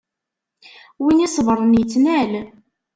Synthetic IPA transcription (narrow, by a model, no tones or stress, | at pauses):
winisˤəvəɾˤənjət͡sːnæl